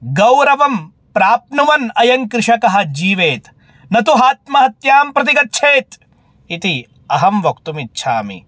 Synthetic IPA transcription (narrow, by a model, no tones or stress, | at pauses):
ɡɐwɾɐʋɐm | pɾaːpnuʋɐnɐjɐŋkɾɪʂɐkɐɦɐ̆d͡ʒiːʋeːt̪ | nɐt̪uɦaːt̪mɐɦɐt̪jaːmpɾɐt̪iɡɐt̪ːʃʰeːt̪ | it̪i | ɐɦɐmʋɐkt̪umit̪ːʃʰaːmḭ